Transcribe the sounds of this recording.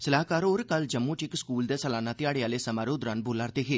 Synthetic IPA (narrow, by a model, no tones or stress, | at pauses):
səlaːkaːɾoɾkɐld͡ʒəmːuʈɪkskuːld̪eːsəlaːnaːt̪ɪjaːɽeaːlesɐmaːɾoːd̪ɾanbʊlaɾt̪eːɦeː